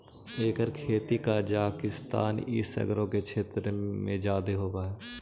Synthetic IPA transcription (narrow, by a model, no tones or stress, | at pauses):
eːkəɾkʰeːt̪ikad͡ʒaːkɪst̪a̰ːnɪ̰sə̰ɡɾõket͡ʃʰeːt̪ɾmḛ̃d͡ʒaːd̪eɦoːbaɦɛː